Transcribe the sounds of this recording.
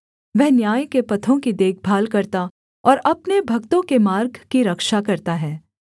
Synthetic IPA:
ʋɛɦnjaːjkepɐt̪ʰõkid̪eːk̚ʰbʱaːlkɐɾt̪a | ɔːɾɐpnebʱɐkt̪õkemaːɾɡʱkiɾɐkʃakɐɾt̪aɦɛː

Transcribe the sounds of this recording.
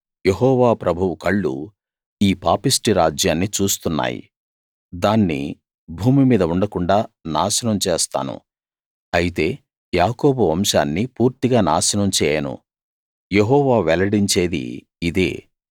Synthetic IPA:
jeɦɔːʋaːpɾɐbʱuwukɐɭːṵ | iːpaːpisʈiɾaːd͡ʒjaːnːit͡ʃuːst̪unːa̰ːjḭ | d̪aːnːḭ | bʱuːmimiːd̪ɐuɳɖɐkuɳɖaːnaːsɐnɐmt͡ʃeːst̪a̰ːnṵ | ɐjit̪e̞ː | jaːkoːbuʋɐmʃaːnːipuːɾt̪iɡaːnaːsɐnɐmt͡ʃɛːjɐnṵ | jeɦɔːʋaːʋɛlɐɽiɲt͡ʃe̞ːd̪ḭː | d̪ḛː

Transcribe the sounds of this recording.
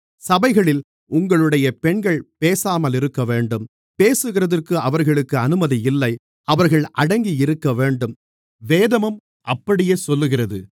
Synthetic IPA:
sɐbɐɪɣɐɭɪl | ʊŋɡɐɭɯɽɐjɐpɛɳɡɐɭpeːsaːmɐlɪɾɯkːɐʋeːɳɖɯm | peːsɯɣɪrɐðɐrkːɯɐʋɐɾɣɐɭɯkːɯɐnɯmɐðiɪlːɐɪ | ɐʋɐɾɣɐɭʔɐɽɐŋɡiɪɾɯkːɐʋeːɳɖɯm | ʋeːðɐmɯm | ʔɐpːɐɽɪjeːsɔlːɯɣɪrɐðɯ

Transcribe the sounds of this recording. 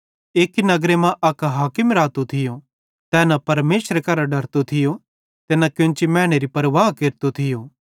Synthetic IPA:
eːkinɐɡɾemãʔɐkɦaːkɪmɾaːt̪ot̪ʰɪjo | t̪ɛːnɐpɐɾmeːsɾekɐɾaɖɐɾt̪ot̪ʰɪjo | t̪eːnakjʊ̃nt͡ʃimɛ̃ːɽ̃eɾipɐɾʋaːɦkeɾt̪ot̪ʰɪjoː

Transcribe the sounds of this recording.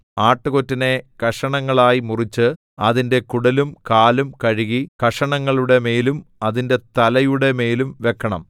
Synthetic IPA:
aːʈːɨɣotːine̞kɐʂɐɳɐŋːɐɭaːjimurit͡ɕːɨ | ɐðinde̞kuɽɐlumkaːlumkɐɻiɣikɐʂɐɳɐŋːɐɭuɽe̞me̞ːlumɐðinde̞t̪ɐlɐjuɽe̞me̞ːlumʋe̞kʰːɐɳɐ̰m

